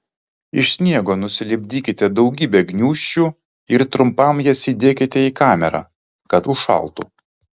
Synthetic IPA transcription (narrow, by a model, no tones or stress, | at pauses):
ɪʃsʲnʲiɛɡoːnʊsʲɪlʲɪbʲd̪ʲiːkʲɪt̪ʲɛd̪ɒʊɡʲiːbʲɛɡnʲuːʃʲt͡ʃʲu | ɪɾt̪ɾʊmpɐmjɛsʲiːd̪ʲeːkʲɪt̪ʲɛiːkɑːmʲɛɾɑ̰ː | kɐt̪ʊʃɐ̰lˠt̪ṵː